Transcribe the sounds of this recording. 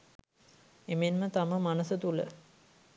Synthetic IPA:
emenmət̪aməmanəsət̪ulə̰

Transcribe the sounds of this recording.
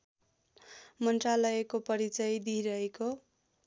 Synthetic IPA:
mʌnʈralʌekopʌɾit͡sʌjd̪iɾʌɦeko

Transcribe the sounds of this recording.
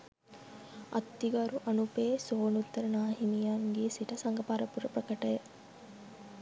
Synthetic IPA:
ɐ̰t̪ːiɡɐɾuʔɐnupeːsoːnut̪ːɐɾɐnaːɦimijaːŋɡiːsiʈɐsɐŋɡɐpaːɾɐpuɾɐpɾɐkɐʈɐjɐ

